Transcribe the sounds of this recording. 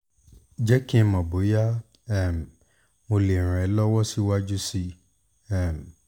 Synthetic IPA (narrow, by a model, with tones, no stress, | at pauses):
d͡ʒɛ˦kĩ˦ɛ˧mɔ̃˨bo˨˦ja˦ | ɛ˦˨m˨ | mo˧le˨ɾ̃ɛ̃˨˦lɔ˦wɔ˦si˦wa˦d͡ʒu˦si˧ | ɛ˦˨m˨